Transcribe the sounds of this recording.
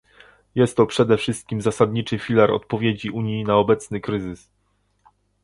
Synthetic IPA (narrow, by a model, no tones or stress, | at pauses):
jɛst̪ːɔpʂɛd̪ɛfʂɘst̪̚kʲimzasad̪ɲit͡ʂɘfʲilaɾɔ̰t̪̚pɔvʲjed͡ʑiuɲjinaɔbɛt̪snɘkɾɘzɘs